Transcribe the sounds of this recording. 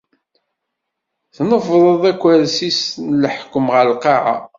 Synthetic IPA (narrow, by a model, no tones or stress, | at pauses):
θnəfðˤəðˤækʷːæɾsisnləħkːəmʁəlqɑʕa̰